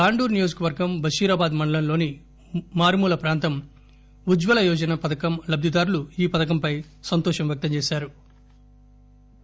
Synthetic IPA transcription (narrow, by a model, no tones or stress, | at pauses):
kaːɳɖuːɾnijoːd͡ʒɐkɐʋɐɾɡɐmbʱɐʃiːɾaːbaːd̪mɐɳɖɐlɐnlo̞ːni | maːɾmuːlɐpɾaːnt̪ɐm | ud͡ʒʋɐlɐjɔːd͡ʒɐnɐpɐd̪ɐkɐmlɐbd̪ʱid̪aːɾuluiːpɐd̪ɐk̬ɐmpɐj | sɐnt̪ɔːʂɐmʋjɐk̚t̪ɐmt͡ʃeːʃaːɾu